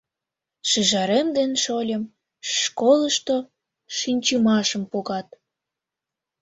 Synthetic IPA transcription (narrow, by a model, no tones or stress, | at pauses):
ʃiʒɑɾemd̪enʃolʲəm | ʃkoləʃt̪o | ʃinʲt͡ɕəmɑʃəmpoɣɑt̪̚